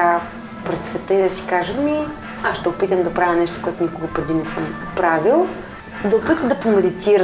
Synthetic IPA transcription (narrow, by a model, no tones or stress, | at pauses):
a | pɾɛt̪svɛt̪əid̪ɐsi̥kaʒəmi | asʃt̪ɛopit̪əmd̪ɐpɾavʲɐnɛʃt̪o̥koɛt̪ʊnikʊɡəpɾɛd̪inɛsəmpɾavilˠ | d̪ɐopit̪əmd̪ɐpomɛd̪it̪iɾə